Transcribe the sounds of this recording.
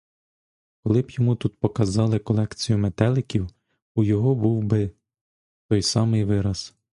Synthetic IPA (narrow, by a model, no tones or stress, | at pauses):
kɔlˠɪbjɔmut̪ut̪pɔkɐzɑlˠɪkɔlˠɛkt͡sʲijumet̪ɛlˠɪkʲiw | ujɔɦɔbuwbɪ | t̪ɔjsɑmɪjʋɪɾɐz̥